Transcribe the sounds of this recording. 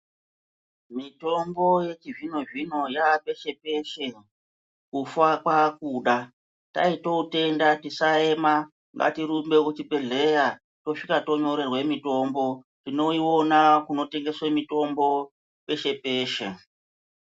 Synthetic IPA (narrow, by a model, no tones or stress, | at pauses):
mito̞mbo̞je̞t͡ʃiʐino̞ʐino̞jaɓe̞ʃe̞pe̞ʃe̞ | kufakwakuɗa | ta̰ito̞ute̞ndatisae̞ma | ŋɡa̰tiɾumbe̞kut͡ʃipe̞ɮe̞ja | to̞ʂikato̞ɲo̞ɾe̞rwe̞mito̞mbo̞ | tino̞iwo̞nakuno̞te̞ŋɡe̞swemito̞mbo̞ | pe̞ʃe̞pe̞ːʃḛ